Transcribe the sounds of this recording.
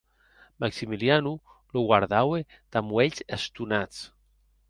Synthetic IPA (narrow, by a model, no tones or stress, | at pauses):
maksimilianu | loɣwaɾðawe | t̪amweʎzest̪unat͡s